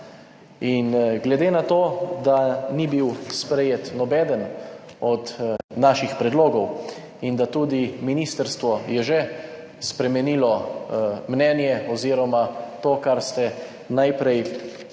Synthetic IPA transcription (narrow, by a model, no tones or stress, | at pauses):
inɡlɛd̪eːnat̪oːd̪anibiwspɾɛjet̪nɔbɛːd̪ən | ɔd̪naʃixpɾɛd̪loːɡɔw | ind̪at̪uːd̪iminiːst̪əɾst̪ʋɔjɛʒɛ | spɾɛmɛnilɔ | mnɛnjɛɔziːɾɔmat̪oːkaɾst̪ɛ | najpɾɛj